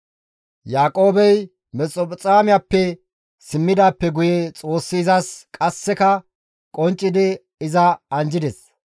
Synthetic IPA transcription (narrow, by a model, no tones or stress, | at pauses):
jaːkʼo̞ːbɛj | mɛt͡sʼːɔpʼt͡sʼaːmɪjapːɛ | sɪmːɪd̪aːpːɛɡʊjɛt͡sʼo̞ːsːɪːzɐskʼɐsːɛkɐ | kʼɔnt͡ʃʼːɪd̪ɪ | ɪzɐɐnd͡ʒɪd̪ɛs